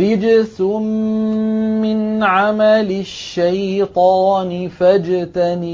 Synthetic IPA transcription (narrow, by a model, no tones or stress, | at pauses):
ɪd͡ʒsʊ | mːɪnʕamalɪʃːajt̪ˤɑːnɪfad͡ʒt̪anː